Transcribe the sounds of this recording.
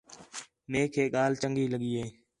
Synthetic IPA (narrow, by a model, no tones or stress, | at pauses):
meːkʰeːɠaːlt͡ʃəŋɡiːləɠiːeː